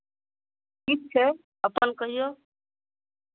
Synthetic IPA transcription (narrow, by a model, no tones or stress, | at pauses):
kit͡ʃʰe | əpənkəɦijo